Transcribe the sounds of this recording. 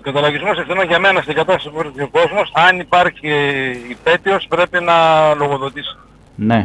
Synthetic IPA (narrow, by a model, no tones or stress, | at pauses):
okɐt̪ɐlɐʝizmosefθinonʝɐmenɐst̪iŋɡɐt̪ɐst̪ɐsipokɾit̪ioko̞zmo̞sɐnipɐɾçiːpe̞t̪io̞spɾe̞pinɐlo̞ɣo̞ðo̞t̪isi̥ | ne